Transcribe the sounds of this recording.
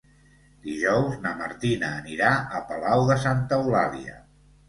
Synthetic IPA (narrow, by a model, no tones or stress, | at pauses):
d̪iʒɔwznəməɾt̪inəːniɾaəpəlawðəsant̪əulaliə̰